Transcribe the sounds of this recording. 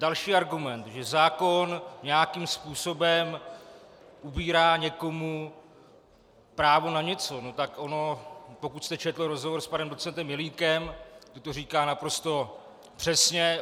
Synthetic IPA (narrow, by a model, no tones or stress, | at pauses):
dalʃiːaɾɡumɛnt̪ʒɛzaːko̞nɲɛjakimspuːso̞bɛm | ʔubiːɾaːɲɛko̞mu | pɾaːvo̞naɲɛt͡so̞no̞t̪akʔono̞po̞kut̪st̪ɛt͡ʃɛt̪lɪɾozɦovoɾspanɛmdot͡sɛnt̪ɛmjɛliːkɛmt̪ot̪oriːkaːnapɾo̞st̪o̞ | pr̥ɛsɲɛ